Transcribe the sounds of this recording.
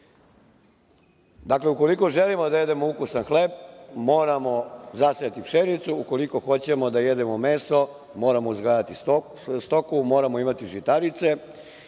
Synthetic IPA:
d̪akle̞uko̞liko̞ʒelimod̪aje̞d̪e̞moukusanxle̞ːbmo̞ːɾamo̞zasejat̪ikʃenit̪suuko̞liko̞xo̞t͡ɕe̞mo̞d̪ajed̪e̞momeːso | moːɾamoizɡlajat̪is | st̪o̞kumo̞ːɾamo̞imat̪iʒit̪aɾit̪se̞

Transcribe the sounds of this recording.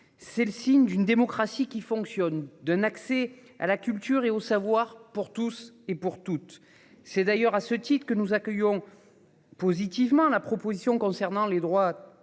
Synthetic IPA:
sɛləsiɲd̪ynd̪emɔkχasikʲifɔ̃ŋksjɔnd̪ɛ̃naksɛ | a̰lakʲylt̪yʁeosavwaʁpuʁt̪us | epuʁt̪ut̪ː | ɛd̪ajœʁasət̪it̪χəkənuzakʲœjɔ̃ | pozit̪ivmɑ̃lapχɔpozisjɔ̃kɔ̃sɛʁnɑ̃led̪ʁwa

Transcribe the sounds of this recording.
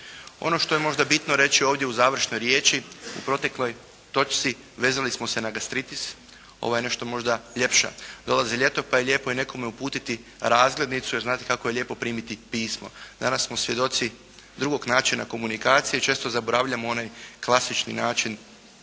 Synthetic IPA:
o̰no̞ʃt̪o̞jemo̞ʒd̪abit̪noɾe̞t͡ʃio̞ːʋd̪jeuzaːʋr̩ʃno̞jɾje̞ːt͡ʃiṵpɾo̞t̪e̞klo̞j | t̪o̞t͡ʃt̪si | ʋe̞ːzalismo̞se̞naɡast̪ɾit̪is | o̞̰ʋojene̞ʃt̪o̞mo̞ʒd̪aʎʲe̞pʃa̰d̪o̞lˠaziʎe̞t̪o̞pajeʎʲe̞ːpo̞ine̞ko̞meupuːt̪it̪i | ɾaːzɡle̞d̪nit̪sujeɾznaːt̪ekako̞je̞ʎʲje̞ːpo̞pɾiːmit̪ipiːsmo̞̰d̪anasːmosʋje̞d̪o̞t̪si | d̪ɾuɡo̞ɡnaːt͡ʃina̰ko̞munikaːt̪sije̞it͡ʃe̞ːst̪o̞zabo̞ɾaʋʎamoo̞najklˠasit͡ʃnḭnaːt͡ʃin

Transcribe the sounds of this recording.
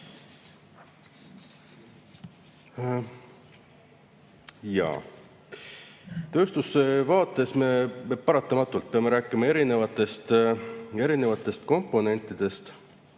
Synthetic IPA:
jɑ̰ | t̪ø̞ːst̪usːevɑːt̪ːˑe̞sme̞pɑɾɑt̪ːˑɑmɑt̪ːˑult̪̚pe̞ɑme̞ɾæːkˑimɑe̞ɾine̞vɑt̪ːˑe̞st̪ | e̞ɾine̞vɑt̪ːˑe̞st̪̚ko̞mpːˑo̞ne̞nt̪ːˑid̪̥e̞st̪

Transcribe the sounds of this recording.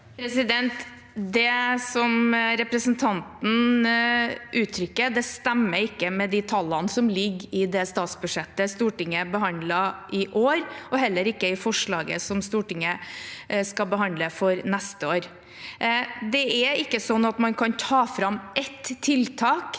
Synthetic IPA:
pʰɾɛsɪd̪ɛnt̪ | d̪ɛsɔmɾɛpɾəsənt̪ʰɑnt̪n̩ | ʔʉːt̪ʰɾʏkːəd̪ɛst̪ɛmːəɾɪkːəmɛd̪ɪt̪ʰɑlːɑnsɔmlɪɡːɪd̪ɛst̪ɑːt̪sbʉʂɛt̪ːəst̪uːʈɪŋːəbəɦɑnd̪lɑʔɪʔoːɾɔɦɛlːəɾɪkːəɪfɔʂɭɑːɡə̰sɔmst̪uːʈɪŋə | skɑbəɦɑnd̪əfɔɾnɛst̪əoːɾ | d̪ɛæɪkːəsɔnːɑt̪mɑnkʰɑnt̪ʰɑːfɾɑmʔɛt̪ʰːɪlt̪ʰɑːk

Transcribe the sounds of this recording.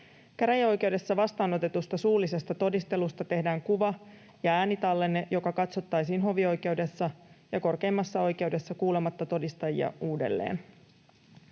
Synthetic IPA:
kæɾæjo̞jk̟e̞wde̞sːɑʋɑst̪ɑːno̞t̪e̞t̪ust̪ɑsuːlːise̞st̪ɑt̪o̞dist̪e̞lust̪ɑt̪e̞ɦdæːŋkuʋɑ | jɑæːnit̪ɑlːe̞nːejo̞kɑkɑt̪so̞t̪ːɑjsiːnɦo̞ʋio̞jke̞wde̞sːɑjɑko̞rke̞imːɑsːɑo̞jke̞wde̞sːɑkuːle̞mɑt̪ːɑt̪o̞dist̪ɑjḭɑ̰uːde̞̰lːḛːn

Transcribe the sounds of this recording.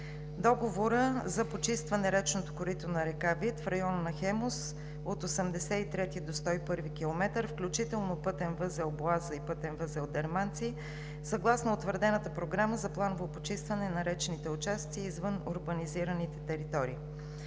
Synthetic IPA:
d̪ɔɡovoɾəzɐpot͡ʃist̪vɐnɛɾɛt͡ʃnot̪o̥koɾit̪onɐɾɛkavit̪fɾɐjɔnnɐxɛmos | ot̪osɛmd̪ɛsɛit̪ɾɛt̪id̪ost̪ɔipɤɾvikʲilˠomɛt̪əɾfklʲut͡ʃit̪ɛlˠnopɤt̪ɛnvɤzɛlˠboazəipɤt̪ɛnvəzɛlˠd̪ɛɾmant̪si | sɐɡlˠasnoːt̪vəɾd̪ɛnət̪əpɾoɡɾaməzɐplˠanovopot͡ʃist̪vɐnɛnɐɾɛt͡ʃɛnit̪ɛʊt͡ʃast̪siːzvɤnʊɾbəniziɾənit̪ɛt̪ɛɾit̪ɔɾiː

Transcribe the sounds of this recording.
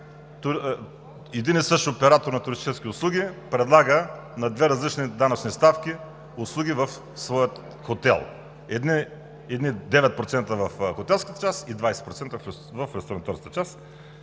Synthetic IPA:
t̪ʊ | ɛd̪inɛsɤʃopɛɾat̪oɾnɐt̪ʊɾist̪it͡ʃɛskʲiʊslˠuɡʲipɾɛd̪lˠaɡənɐd̪vɛɾɐzlit͡ʃnid̪anɐt͡ʃnist̪afk̟ʲi | ʊslˠuɡʲivɐf | svɔjət̪ | xot̪ɛ̰lˠ | ɛd̪ni | ɛd̪nid̪ɛvɛt̪̚pɾot̪sɛnt̪əvɐfxot̪ɛlˠskət̪ə̥t͡ʃasid̪vajsɛ̥t̪pɾot̪sɛnt̪əvf | vɐfɾɛst̪onɐt̪ɔɾskət̪ət͡ʃas

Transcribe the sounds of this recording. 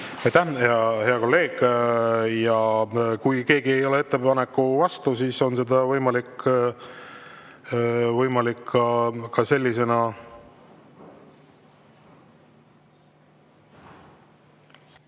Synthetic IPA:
ɑjt̪æheɑhe̞ɑko̞lːe̞ːɡ̥ | jɑkujke̞ːɡie̞jo̞le̞e̞t̪ːe̞pɑnekːuvɑst̪usiːso̞nse̞d̪ɑvɤjmɑlikː | vɤjmɑlikːɑkɑse̞lʲːise̞nɑ

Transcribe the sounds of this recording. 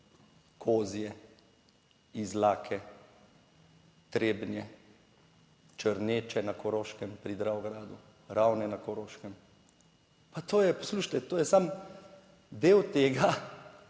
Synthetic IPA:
kʰoːzijɛ | izlaːkʰɛ | t̪ɾeːbnjɛ | t͡ʃəɾneːt͡ʃɛnakɔɾoːʃkɛmpɾid̪ɾaɔɡɾaːd̪u | ɾawnɛnakɔɾoːʃkɛm | pat̪oːjɛpɔsluːʃt̪ɛt̪oːjɛsam | d̪eːwt̪eːɡa

